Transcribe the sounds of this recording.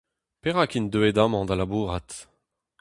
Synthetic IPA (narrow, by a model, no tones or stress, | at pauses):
peʁakind̪øed̪amɑ̃d̪alabuʁat̪